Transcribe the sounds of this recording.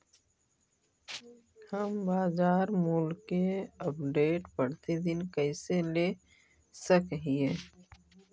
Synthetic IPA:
həmbaːzaːɾmulkeəpɖeːʈpəɽt̪id̪ɪnkəɪsele | səkɦie

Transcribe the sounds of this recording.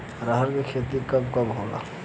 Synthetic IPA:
ɾəɦəɾkekʰeːt̪ikɐb̚kɐbɦoɡa̰ː

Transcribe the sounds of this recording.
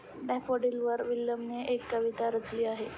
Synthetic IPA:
ɖɛfoɽilʋəɾʋilːəmneekːəʋit̪aɾəd͡zliːaɦe

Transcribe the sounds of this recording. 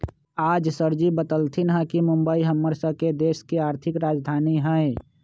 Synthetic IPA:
aːd͡ʒsəɾd͡ʒibət̪əlt̪ʰinɦə̃kimʊ̃mbəiɦəmːəɾsəked̪eːskiaːɾt̪ʰɪkɾaːd͡ʒd̪ʱaːniɦɛ̃e

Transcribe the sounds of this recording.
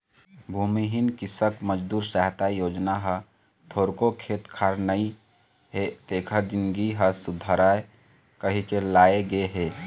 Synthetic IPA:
bʱuːmiɦinkisəkməd͡ʒd̪uːɾsaɦt̪ajoːd͡ʒnaɦə | t̪ʰoːɾkokʰet̪kʰaɾnəi | ɦet̪ekʰəɾd͡ʒinɡiɦəsud̪ʱaɾae | kəɦikelaːeɡeɦe

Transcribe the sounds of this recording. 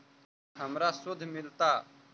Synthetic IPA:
həmɾasʊd̪ʱːmɪlt̪aː

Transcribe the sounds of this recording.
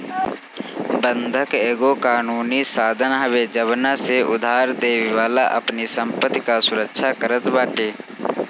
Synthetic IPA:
bə̃nd̪ʱəkeːɡokaːnuːnisaːd̪ʱənɦəʋed͡ʒəβnaseʊ̰d̪ʱaːɾd̪eːʋiʋaːla̰ʔɐ̰pnisə̃mpət̪ːkasʊɾəkʃʰakəɾət̪baːʈeː

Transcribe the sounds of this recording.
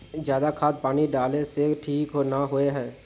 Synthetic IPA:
d͡ʒjaːd̪akʰaːd̪̚paːniɖaːleseʈʰiːkɦonaɦoeɦɛː

